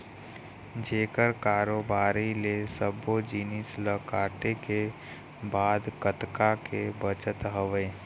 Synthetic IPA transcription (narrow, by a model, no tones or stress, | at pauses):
d͡ʒeːkəɾkaːɾoːbaːɾilesəbod͡ʒiːnisləkaːʈeke | baːd̪kət̪kakebət͡ʃət̪ɦəʋeː